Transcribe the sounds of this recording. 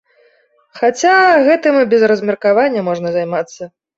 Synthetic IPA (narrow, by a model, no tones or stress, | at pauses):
xat͡sʲaɣɛt̪ɨmbʲɛzrɐzmʲɛrkavanʲːɐmɔʐnɐzajmat̪sːɐ